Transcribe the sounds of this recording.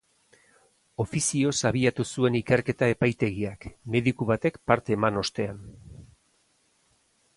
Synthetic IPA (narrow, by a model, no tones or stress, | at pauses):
o̞fisio̞saβ̞iat̪usue̞nike̞ɾke̞t̪ae̞pajt̪e̞ɣiakme̞ðikuβat̪e̞kpaɾt̪e̞ːmano̞st̪e̞an